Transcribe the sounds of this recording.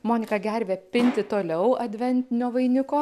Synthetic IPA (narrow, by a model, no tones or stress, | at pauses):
moːnʲɪkɐɡʲɛɾʲʋʲeːpʲɪnʲt̪ʲɪt̪oːlʲɛʊɐd̪ʲʋʲɛnʲt̪ʲɪnʲoːʋɐɪnʲɪkoː